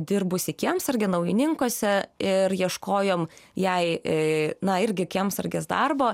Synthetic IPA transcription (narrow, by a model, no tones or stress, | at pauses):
d̪ʲɪrbʊsʲɪkʲiɛmsɐɾʲɡʲɪnɐʊjɪnʲɪŋkosʲɛɪrjiɛʃkoːjoːmjɛɪ | nɐɪɾʲɡʲɪkʲiɛmsɐ̰rʲɡʲeːsd̪ɐrboː